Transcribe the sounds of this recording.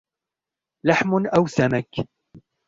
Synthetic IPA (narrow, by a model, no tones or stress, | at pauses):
laħmnʔawsamak